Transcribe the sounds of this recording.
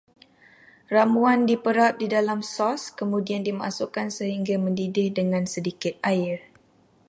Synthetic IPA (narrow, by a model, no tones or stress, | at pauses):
ramuandipəɾap̚didalamsɔskəmũdiandima̰sukansəɦiŋɡamə̃ndidɪhdəŋãnsədikɪt̪̚aɪr